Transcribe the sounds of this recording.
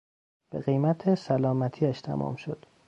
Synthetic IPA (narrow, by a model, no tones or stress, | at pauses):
b̥eɣejmæt̪ʰesælɒːmæt̪ʰiːæʃt̪ʰæ̰mɒ̰ːmʃo̰d̪̥